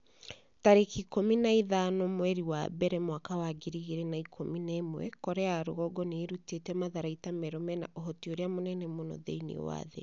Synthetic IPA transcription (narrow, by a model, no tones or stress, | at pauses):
taɾekikominaiðanomwɛɾiwa̰bɛɾɛmwakawaɡeɾiɣeɾɛnaikʰominɛmwɛ̰kɔɾɛaɾo̰ɣɔɡɔneːɾutetɛmaðaɾaitamɛɾɔmɛna̰ʔoɦɔtioɾeamonɛnɛmonɔ̰ðḛinḛwa̰ðḛ